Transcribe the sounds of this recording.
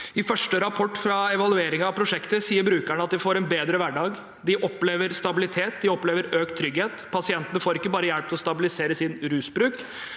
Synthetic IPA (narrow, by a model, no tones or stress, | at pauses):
ɪfœʂʈəɾɑpʰɔʈːfɾɑɛʋɑlʉeːɾɪŋɑpʰɾʊʂɛkt̪əsiːəɾbɾʉːkæɳəɑt̪̚d̪ɪfoːɾɛnbeːd̪ɾəʋæɖɑːɡ | d̪ɪʔɔpːleːʋəɾst̪ɑbɪlɪt̪ʰeːt̪̚d̪ɪɔpːleːʋəɾøːk̚t̪ʰːɾʏɡheːt̪pʰɑsɪɛnt̪ənəfoːɾɪkːəbɑːɾəjæɽp̚t̪ɪlɔst̪ɑbɪlɪseːɾəsɪnɾʉːsbɾʉːk